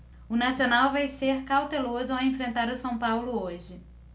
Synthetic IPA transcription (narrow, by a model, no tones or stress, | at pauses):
ʊnasionawvajseɾkawt̪elozʊawẽfɾẽnt̪aɾʊsɐ̃w̃pawlʊoʒɪ